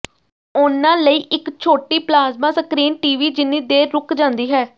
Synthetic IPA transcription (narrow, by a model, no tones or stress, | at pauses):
ʊnãːləiːʔɪkt͡ʃʰoːʈiːplaːzmaːsəkɾiːnʈiːʋiːd͡ʒɪnĩːd̪eːɾʊkd͡ʒãːnd̪iːɦɛː